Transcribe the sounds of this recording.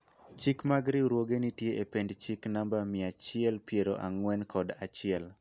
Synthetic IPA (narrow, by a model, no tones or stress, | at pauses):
t͡ʃikmaɡɾiɾwoɡenitjeʔependt͡ʃiknambamɪat͡ʃɪɛlpjeɾoʔa̰ŋwɛnkʰɔdat͡ʃɪɛl